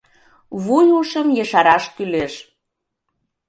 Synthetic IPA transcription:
βujuʃəmjəʃɑɾɑʃkyleʃ

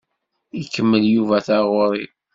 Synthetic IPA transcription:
ikːəmːəljuvæθæʁʊɾˤi

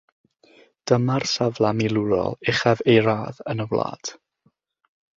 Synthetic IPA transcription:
d̥əmarsavlˠamilˠuɾɔ̰lˠɪχavejɾaːðənəwlˠa̰ːd̥

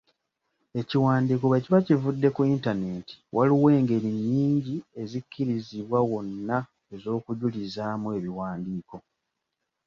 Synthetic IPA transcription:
e̞ciwaːndik̬oβeciβacivudːe̞kuintane̞ti̥wʔaliwe̞ːŋɡe̞ɾiɲːiːɲɟie̞zikːiɾiziβwawo̞nːa | e̞zo̞ːkuɟulizaːmue̞βiwaːndiːko̞

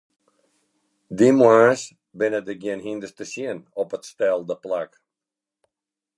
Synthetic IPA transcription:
d̪imwas | bɪnəd̪əɡɪənhĩnd̪əst̪əsiənɔpətst̪ɛlˠd̪əplak

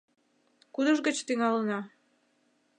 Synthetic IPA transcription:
kud̪əʒɡət͡ɕt̪iŋɑlənɑ

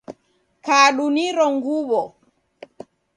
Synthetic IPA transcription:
kaːɗuniɾɔŋɡuβɔ

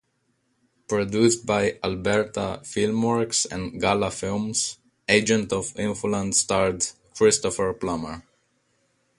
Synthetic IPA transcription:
pɹɔdust̚bajalbɛɹt̪afɪlmwɔɹksɛ̰̃nɡalafɪlms | ed͡ʒɛ̃ntɔvɪ̃nfulãndstaɹdkʰɹɪst̪ɔfəɹplaməɹ

